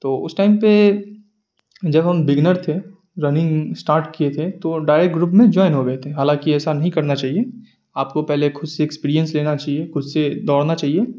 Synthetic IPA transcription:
t̪oːʊ̰sʈaːɪmpe | d͡ʒɐbɦɐmbɪɡnəɾt̪ʰe | ɾɐnɪ̃ŋɡsʈaːɾʈkiet̪ʰet̪oɖaːɪɾekʈ̚ɡɾuːpmẽd͡ʒɔːɪnɦoɡɐɦt̪ʰeẽɦaːlãːkiɛːsanɐɦĩkɐɾnat͡ʃaːɦie | aːp̚kopɛɦlekʰʊd̪seːkspiːɾijə̃nsleːnat͡ʃaːɦiexʊd̪sed̪ɔːɽnat͡ʃaːɦie

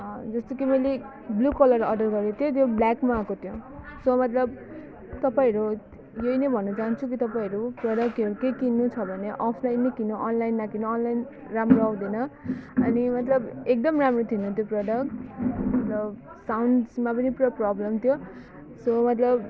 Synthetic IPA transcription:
ʌd͡zʌst̪okimʌjle | blukʌlʌrʌɖʌrɡʌɾot̪ʰjot̪joblakmaːkot̪ʰjõsʌmʌt̪lʌb̚ | t̪ʌpaĩʌɾu | jʌinʌbʱʌnːʌt͡sant͡sʰuk̬it̪ʌpaĩʌɾuprʌɽʌk̚ʌɾukejkinːut͡sʰʌbʱʌneʔʌpʰlajnːʌkinoʔʌnlajnmakinoːnlajn | ramroaw̃d̪inʌʌnimʌt̪lʌbek̚d̪ʌmramrot̪ʰinõt̪joprʌɖʌk̚ʈmmʌt̪lʌb | sawnɖsmap̬ʌnipurʌprʌblʌmt̪ʰjo | somʌt̪lʌb

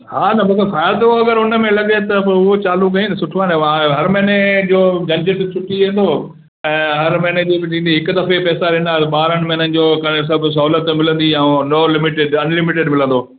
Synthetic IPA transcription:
haːnɐmɐkɐfaːjad̪oɐɡəɾʊnəmẽlɐɡet̪ɐʊɦot͡ɕaːluɡɐĩnd̪sʊʈʰʋãːnẽʋãɦɐɾmɛ̃ːned͡ʑoːd͡ʑɐ̃ɲd͡ʑɪʈt͡ɕʰʊʈːiʋẽːn̆d̪oː | ɛ̃ːɦɐɾmɛ̃ːned͡ʑoːbɪd͡ʑĩːnd̪iɦɪkʊd̪ɐfepɛːsaɾɪ̃ɪ̃nd̪aːt̪ɐɓaːɾəɽ̃mẽnənɪ̆d͡ʑoːkɐɽ̃es̬ɐbʱʊs̬ɐɦuːlət̪mɪlə̃nd̪iɛnoːlɪmɪʈeɖɐnlɪmɪʈeɖmɪlə̃nd̪oː

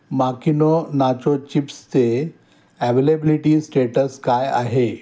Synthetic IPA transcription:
makinonat͡ɕot͡ɕipst̪e | ɛʋelebiliʈisʈeʈəskaja̰ɦe

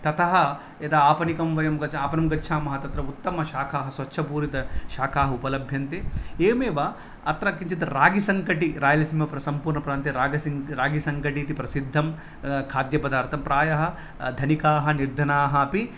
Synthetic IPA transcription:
t̪ɐt̪ʰɐɦɐ | et̪aaːpɐnikɐmʋɐjɐmɡɐt͡ʃaːpɐnɐmɡɐːʃʰaːmɐɦɐt̪ɐt̪ɾɐut̪ːɐmɐʃaːkʰaːɦɐsʋɐtːʃʰɐpuːɾit̪ɐʃaːkʰaːɦɐupɐlɐbʱjɐnt̪eːeːmeːʋaː | ɐt̪ɾɐkːiɲt͡ʃit̪ɐɾaːɡisɐŋkɐʈiɾaːjɐlɐsimɐpɾɐsɐmpuːɾɳɐpɾaːnt̪iɾaːɡɐsiɾaːɡisɐŋkɐʈiːt̪ipɾɐsid̪ʱːɐm | kʰaːd̪jɐpɐd̪aːɾt̪ʰɐmpɾaːjɐɦɐ̆ | d̪ʱɐnikaːɦɐ̆niɾd̪ʱɐnaːɦɐɐpi

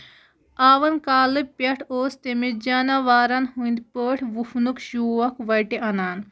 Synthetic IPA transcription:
aːʋɐnkaːlɨpɐʈʰoːst̪emid͡ʒɐnaʋaːɾɐnɦund̪pəːʈʰʋufnukʃuːɐkʋɐjʈeʔɐnaːn

